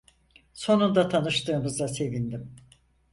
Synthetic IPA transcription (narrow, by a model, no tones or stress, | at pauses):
so̞nund̪at̪ʰanɯʃt̪ɯːmɯzase̞vind̪im